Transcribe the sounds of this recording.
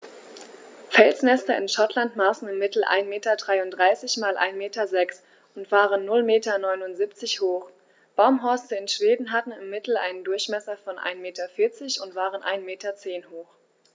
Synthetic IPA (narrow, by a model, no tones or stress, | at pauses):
fɛlsnɛstɐɪnʃatʰlantmaːsn̩ɪmːɪtl̩ʔa̰ɪnmeːtɐdʁaɪʊntdʁaɪsɪçmaːlʔa̰ɪnmeːtɐzɛks | ʔʊntv̥aːʁənːʊlmeːtɐnɔʏnʊntz̥iːpt͡sɪçhoːχ | b̥aʊmɦɔɐstəɪnʃv̥eːdn̩ɦatn̩ɪmːɪtl̩ʔa̰ɪnəndʊɐçmɛsɐfɔnʔa̰ɪnmeːtɐfɪɐt͡sɪçʊntv̥aːʁənʔaɪnmeːtɐt͡seːnhoːχ